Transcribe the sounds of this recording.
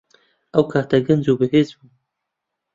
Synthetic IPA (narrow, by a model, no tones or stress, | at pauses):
ɐwkʰaːt̪ɐɡɨnzuːbɨɦeːzbuː